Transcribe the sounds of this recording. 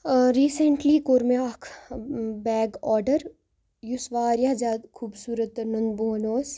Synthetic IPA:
ɾiːsəɳʈlikoɾmeakʰ | bɛːɡɔːɾɖəɾ | jusʋaːɾjad͡ʒaːd̪kʰuːbsuːɾət̪̚ːɐɾnɐnd̪boːnoːs

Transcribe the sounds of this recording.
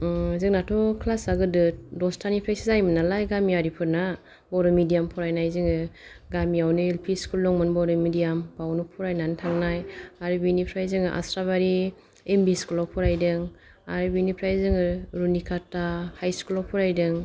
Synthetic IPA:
zɯŋnatʰɔkʰlasaɡɯdɯdɔstʰanipʰɾajsizajmɯnalajɡamiaɾipʰɯɾna | bɔɾɯmidijampʰɔɾajnajzɯŋɯ | ɡamiawnɯelpʰiskulːɔŋmɯnbɔɾɯmidijampawnupʰɔɾajnantʰaŋnajaɾɯbinipʰɾajzɯŋɯʔa̰sɾaβaɾi | embiskulɔpʰɔɾajdɯŋ | aɾɯbinipʰɾajzɯŋɯɾunikʰatːahajskulɔpʰɔɾajdɯŋ

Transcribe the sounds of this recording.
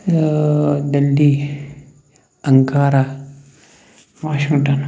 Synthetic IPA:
d̪ɐlːi | ɐŋkaːɾa | ʋaːʃiŋʈan

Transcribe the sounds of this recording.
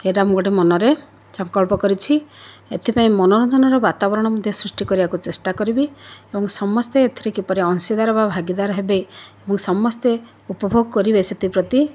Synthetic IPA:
eɾamɔɡɔɽemɔnɔɾe | sɔŋkɔɭpɔkɔɾit͡ʃʰi | et̪ʰipaĩmɔnɔɾɔd͡ʒɔnɔɾebat̪abɔɾɔɽ̃ɔmɔd̪ʱjɔsɾusʈikɔɾibakut͡ʃesʈakɔɾibiebɔŋsɔmɔst̪eet̪ʰiɾekipɔɾeɔnsid̪ʱaɾɔbabʱaɡid̪aɾɔɦebeebɔŋsɔmɔst̪e | upɔbʱoɡɔkɔɾibeset̪ipɾɔt̪i

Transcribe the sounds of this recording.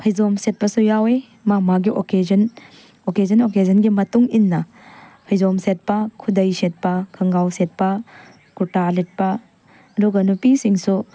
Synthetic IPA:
pʰɐjzomset̚pɐsujawe | mamaɡiʔoked͡ʒɐn | okezɐnokezɐnɡimɐtuŋinːɐ | pʰɐjzomset̚pɐkʰudɐjset̚pɐkʰɐŋɡawset̚pɐ | kutalit̚pa | duɡɐnupisiŋsu

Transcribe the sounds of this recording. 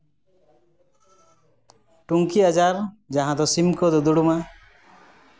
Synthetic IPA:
ʈuŋkiad͡ʒaɾ | d͡ʒaɦãd̪ɔsimkɔd̪ɔd̪uɽuma

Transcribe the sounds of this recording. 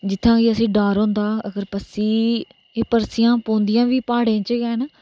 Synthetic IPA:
d͡ʒɪt̪ʰːãːkiəsĩːɖaːɾɦõːnd̪aːəɡəɾpəsiː | eːpəɾsɪjãːpõːnd̪ɪjãːʋiːpaːɽẽːt͡ʃəɡɛːn

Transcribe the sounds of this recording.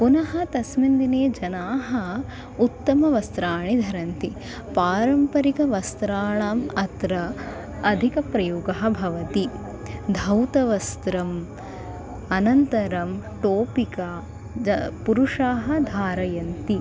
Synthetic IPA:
punɐɦɐ̆t̪ɐsmind̪ineːd͡ʒɐnaːɦɐ̆ | ut̪ːɐmɐʋɐst̪ɾaːɳid̪ʱɐɾɐnt̪i | paːɾɐmpɐɾikɐʋɐst̪ɾaːɳaːmɐt̪ɾɐː | d̪ʱikɐpɾɐjuːɡɐɦɐ̆bʱɐʋɐt̪i | d̪ʱɐwt̪ɐʋɐst̪ɾɐm | ɐnɐnt̪ɐɾɐmʈoːpika | ɐpuɾuʂaːɦɐ̆d̪ʱaːɾɐjɐnt̪i

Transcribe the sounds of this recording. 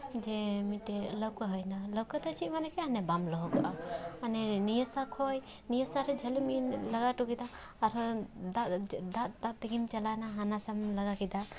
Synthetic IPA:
d͡ʒɛmitɛləwkəɦəjnalɔwkəd̪ət͡ʃʰimanɛkɛanɛbamlɔɦɔkaʔaanɛnijəsakʰɔj | nijəsaɾɛd͡ʒʱəlimilaɡaʈukid̪aːɾɔd̪ad̪aʔd̪aʔt̪ɛɡimt͡ʃalajnaɦanasamlaɡakid̪a

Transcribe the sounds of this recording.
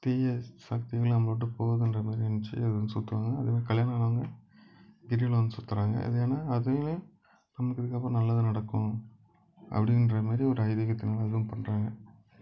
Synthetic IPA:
t̪iːjɐsaːk̚t̪ɪɣɐɭnɐmːɐɭoːʈ̬ːɯpoːʋɐðɯɛndrɐmaːɾiɛnːɐt͡ʃːɯ̰ɐðɯɐnsʊt̪ːɯʋaːŋɡɐːðeːmaːɾikɐljaːnɐɐɭaːŋɡɐ | ɡɪɾɪjɪlʋɐnd̪ɯsʊt̪ːɯɾaːŋɡɐ̰ʔɐ̰ðɐeːnaːɐðɯɐl | nɐmɐɭɯkːɐðɯkːaːpːoːnɐlːaðɯnɐɽɐkːʊ̃ | ʔɐ̰pːɐɽɪɪnɾɐmaːɾiɔɾɯɐɪðiɣɐt̪ːɪnaːlɐɐðɯʋʊ̃mpɐɳːɾaːŋɡɐ

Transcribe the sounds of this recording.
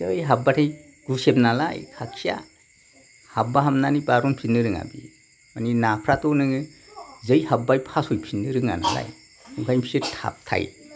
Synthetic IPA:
ɯjɦabatʰaj | ɡ̥usemnala̰jkʰakʰija̰ | habaɦamnanibaɾɔnpʰinɯɾɯŋa̰bḭ | maninapʰɾatɔnɯŋɯzɯjhabajpʰasɔjpʰinɯɾɯŋana̰la̰j | uŋkʰajmpʰisɯtʰa̰p̚tʰa̰j

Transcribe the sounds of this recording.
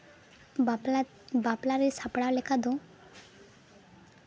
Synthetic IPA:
baplaɾesapɽawlɛkad̪o

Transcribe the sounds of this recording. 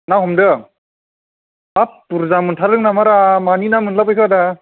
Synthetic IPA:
naɦɔmdɯ | apːuɾzamɯntʰaɾlɯŋnamaɾamaninamɯnlapɯjkʰada

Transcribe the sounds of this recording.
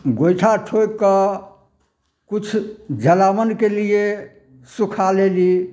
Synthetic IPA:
ɡojʈʰaʈʰokə | kut͡ʃʰd͡ʒəlamənkelije | sukʰaleli

